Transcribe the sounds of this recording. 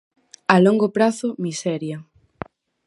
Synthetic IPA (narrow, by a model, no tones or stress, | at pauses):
alɔŋɡopɾaθʊmisɛɾjɐ